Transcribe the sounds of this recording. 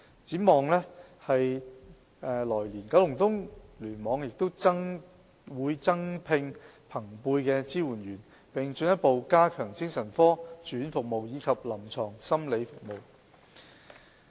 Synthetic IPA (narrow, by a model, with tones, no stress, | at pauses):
t͡siː˨˥mɔː˨ŋlɛ˥hɐ˨j | ʔɛː˨˧lɔː˨˩jliː˨˩nka˨˥wlʊ˨˩ŋt̪ʊ˥ŋlyː˨˩nmɔː˨˧ŋjɪ˨k̚t̪o˥wt͡sɐ˥ŋ | wuː˨˧jt͡sɐ˥ŋpʰɪ˧ŋ | pʰɐ˨˩ŋpuː˧jkɛː˧t͡siː˥wuː˨˩nɥyː˨˩n | pɪ˨ŋt͡ʃɵ˧njɐ˥t̚po˨wkaː˥kʰœː˨˩ŋt͡sɪ˥ŋsɐ˨˩nfɔː˥t͡ʃyː˨˥nfʊ˨k̚mo˨wjiː˨˧kʰɐ˨p̚lɐ˨˩mt͡sʰɔː˨˩ŋsɐ˥mle˨˧jfʊ˨k̚mo˨w